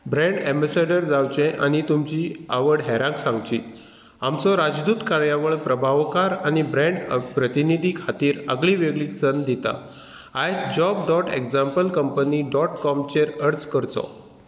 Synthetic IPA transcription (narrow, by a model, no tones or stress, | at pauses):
bɾɛ̃ɳɖɛ̃mbasaɖəɾd͡zawt͡ɕɛ̃ʔañit̪umt͡ɕiaʋəɽɦɛɾãksãŋɡt͡ɕḭː | amt͡sɔɾad͡ʑd̪uːt̪kaɾjaʋəɭpɾəbʱaʋkaɾanibɾɛ̃ɳɖpɾət̪inid̪ʱiːkʰat̪iːɾə̰ɡɭĩʋeɡɭiːksənd̪it̪a̰ | ajsd͡ʑɔbɖɔʈeɡd͡zampəlkəmpəniɖɔʈkɔmt͡ɕeɾəɾt͡skəɾt͡sɔ̰